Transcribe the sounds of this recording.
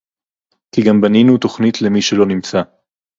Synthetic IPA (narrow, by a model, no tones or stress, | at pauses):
kiɡambaninut̪o̞χnitle̞miʃelo̞nimt͡sa